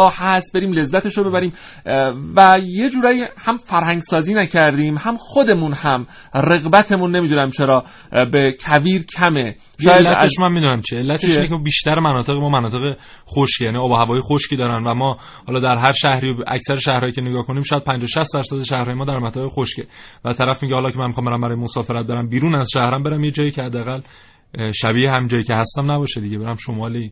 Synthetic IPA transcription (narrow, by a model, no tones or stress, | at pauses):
hæst̪̚be̞ɾiːmle̞zːæt̪eʃobe̞bæɾiːm | væje̞d͡ʒuːɾɒːjihæmfæɾhæŋɡsɒːziːnæcʰæɾd̪iːmhæmxo̞d̪e̞munhæm | re̞ɣbæt̪ʰe̞munːe̞miːd̪uːnæmt͡ʃʰeɾɒː | be̞cʰæviːɾcʰæme̞ | ʃɔːjjlːæeʃmænmiːd̪unæmt͡ʃʰielːæt̪ʰeʃinecʰebiːʃt̪æɾemænɒːt̪ʰe̞ɣemɒːmænɒːt̪e̞ɣe | xoʃcjæniːɒːbɒhævɒːjexoʃciːd̪ɒːɾænvæmɒː | hɒːlɒːd̪æɾɦæɾʃæhɾijæ̰csæɾeʃæhɾɒːjiːcʰe̞neɡɒːhkʰoniːmʃɔːjæd̪̚pʰænd͡ʒɒːʃæst̪d̪æɾsæd̪eʃæhɾɒːjemɒːd̪æɾmæt̪ʰɒbexoʃce̞væt̪ʰæɾæfmiɟehɒlɒːcʰemænmixɒːmbeɾæmbæɾɒːjemosɒːfe̞ɾæt̪̚beɾæmbiːɾuːnæzʃæhɾæmbe̞ɾæmjed͡ʒɒːjiːcʰehæd̪ːeæɣæl | ʃæbiːhehæmiːnd͡ʒɒːjiːcʰe̞hæst̪æmnæbɒːʃed̪iɟebe̞ɾæmʃomɒːli